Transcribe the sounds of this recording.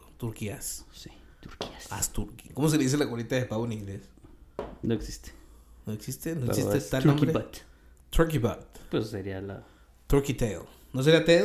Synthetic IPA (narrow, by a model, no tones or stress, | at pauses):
t̪uɾkiassi̥ | t̪uɾkiasa̰st̪uɾkikomos̬eleis̬elakwolit̪aðepaβwonĩŋɡles | noeksist̪e̥noeksist̪enoesisst̪et̪alnombɾeat̪ | t̪ɾuɾkiba̰t̪pesseɾiala̰ | t̪uɾkit̪eo̰ | nos̬eɾiat̪eð